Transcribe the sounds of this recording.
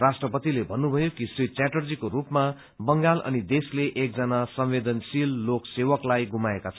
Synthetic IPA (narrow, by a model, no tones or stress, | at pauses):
rasʈrʌpʌt̪ilebʱʌnːubʱʌjokisit͡saʈʌrd͡zikoɾupma | bʌŋɡalʌ̰nid̪esleʔek̚d͡zʌnasʌmwed̪ʌnsilːoksewʌklajɡumaekat͡sʰʌn